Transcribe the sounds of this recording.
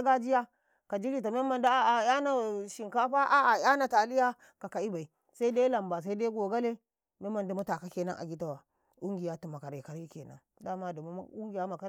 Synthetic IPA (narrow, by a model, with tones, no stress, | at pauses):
a˦ɡa˦d͡ʒi˦ja˦ | ka˨d͡ʒi˦ɾi˦ta˨me˦ma˨nda˦a˦a˨ja˦na˨ʃi˨ŋka˦ɸa˦ʔa˦a˨ja˦na˨ta˨li˦ja˦ | ka˨ka˨i˦ba˨i˨ | sa˦i˦da˦la˨mba˨s̬a˦i˦da˦i˦ɡo˨ɡa˦le˦ | me˦mːa˨nda˨mu˦ta˨ka˦ke˨na̰˦nʔa̰˨ɡʲi˦ta˦wa˨ | u˦ŋɡi˨ja˦tu˨ma˨ka˨ɾi˨ka˨ɾji˦ke˨na̰˦n | da˦ma˦da˨ma˦u˦ŋɡi˨ja˦ma˨ka˦